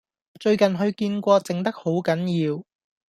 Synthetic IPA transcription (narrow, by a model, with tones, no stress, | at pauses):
t͡ʃɵ˧ɥkɐ˨nɦɵ˧ɥkiː˧nkʷɔː˧t͡sɪ˨ŋt̪ɐ˥k̚ho˨˥wkɐ˨˥njiː˧w